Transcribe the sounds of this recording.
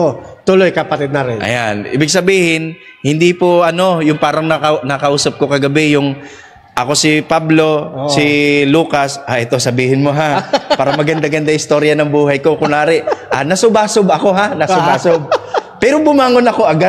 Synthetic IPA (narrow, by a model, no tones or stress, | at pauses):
ot̪ʊlojkɐpɐt̪ɪd̪̚nɐɾɛnʔɐ̰janʔḭːbɪɡ̚sɐbiːhɪnhɪnd̪ipoʔɐno̞jʊŋpaːɾɐŋnɐkɐnɐkɐʔuːsɐp̚ko̞kɐɡɐbɛjʊŋ | ʔɐko̞sɪpablo̞sɪluːkɐsʔaʔɛt̪o̞sɐbiːhɪnmo̞ɦapaːɾɐmɐɡɐnd̪aɡɐnd̪aʔɪst̪o̞ːɾjɐnɐŋbuːhɐjko̞kʊŋaːɾɪʔanɐsʊbaːsobɐko̞ɦanɐʊbaːsob̚pɛːɾobʊmaːŋonɐko̞ʔɐɡa